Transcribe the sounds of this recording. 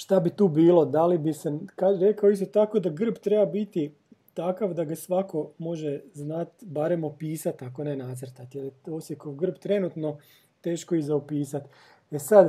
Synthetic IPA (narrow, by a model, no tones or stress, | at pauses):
ʃt̪abit̪uːbiːlo̞d̪alibisekaɾe̞kaoist̪o̞t̪ako̞d̪aɡr̩bt̪ɾe̞babit̪i | t̪akaʋd̪aɡasʋako̞mo̞ʒeznat̪baɾe̞mopiːsat̪ako̞nenat̪srt̪at̪jeljet̪osjekoɡr̩bt̪ɾe̞nut̪no̞ | t̪e̞ːʃko̞izaopiːsat̪ | esad̪